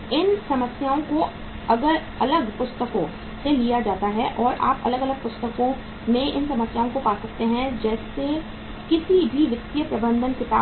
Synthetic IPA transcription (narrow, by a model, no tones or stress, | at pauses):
ɪnsɐməsjaːõko | ɐɡəɾ | ɐləɡpʊst̪əkõ | selijad͡ʒaːt̪aɦɛʔɔːɾʔa̰ːpɐ̰ləɡɐləɡ̚pʊst̪əkõ | mẽʔɪnsɐməsjaːõkopaːsɐk̚t̪eɦɛ̃d͡ʒɛːse | kɪsibʱiʋɪt̪ːijəpɾɐbə̃nd̪ʱənkɪt̪aː